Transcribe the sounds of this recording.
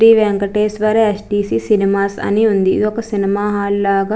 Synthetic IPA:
ɾiːʋɛŋkɐʈeːsʈʋaːɾeesʈiːsiːsinimaːsɐ̰niund̪ḭːd̪iɔkːɐsinimaːɦaːllaːɡɐ

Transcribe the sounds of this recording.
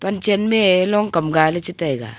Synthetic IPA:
pant͡ʃɛnmelɔŋkamɡalet͡ʃitajɡa̰

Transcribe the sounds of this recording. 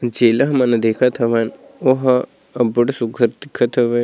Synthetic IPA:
d͡ʒeːlɐɦmɐnɐd̪eːkʰɐt̪ʰɐʋaːnoɦɐ | ɐbuɽsuɡʱɐɾt̪ikʰːɐt̪ʰɐʋɐ

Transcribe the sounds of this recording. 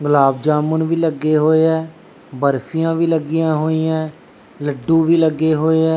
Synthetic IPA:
ɡəlaːb̚d͡ʒaːmənʋiːləɡːeːɦoːeːɛː | bəɾfijãːʋiːləɡɪjãːɦoːiːɛ̃ː | ləɖːũːʋiːləɡːeːɦoːeːɛː

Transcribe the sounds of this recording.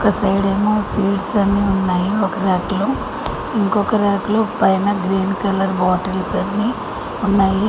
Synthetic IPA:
kɐsɐɾiɽeːmoːsiːɖsɐnːiunːaːjiɔkɐɾaːʈlu | iŋkɔkɐɾaːʈlupɐjnɐɡɾiːnkɐlɐɾbaːʈɐlsɐnːi | unːaːji

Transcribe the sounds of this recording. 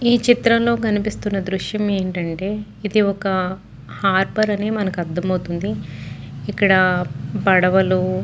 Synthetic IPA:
iːt͡ʃit̪ɾɐmlo̞ːkɐnipist̪unːɐd̪ɾuʂjɐme̞ːɳʈɐɳʈe̞ː | id̪iɔkɐ | haːɾpɐɾɐne̞ːmɐnɐkuɐd̪ːɐmɐwut̪und̪i | ikːɐɽɐbɐɽɐʋɐlu

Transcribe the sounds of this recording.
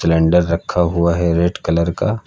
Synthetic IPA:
lɛ̃ːɳɖəɾːɐkʰːaɦuaɦɛɾeːʈkɐləɾka

